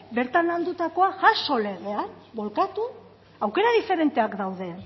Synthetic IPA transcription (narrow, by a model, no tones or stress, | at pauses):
be̞ɾt̪anald̪ut̪ako̞aʝaso̞le̞ɣ̞e̞anbo̞lkat̪u | awke̞ɾaðife̞ɾe̞nt̪e̞akd̪awðe̞